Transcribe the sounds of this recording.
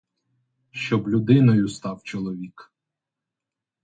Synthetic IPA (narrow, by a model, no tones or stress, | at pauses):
ʃt͡ʃɔblʲʊd̪ɪnɔjʊst̪ɑwt͡ʃɔlˠɔʋʲik